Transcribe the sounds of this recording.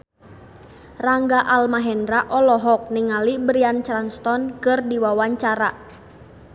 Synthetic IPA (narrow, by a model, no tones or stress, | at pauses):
raŋɡaʔalmaɦɛndɾaʔɔlɔɦɔk̚niŋalibəɾiant͡ʃɾanst̪ɔnkɨrdiwawaɲt͡ʃaɾa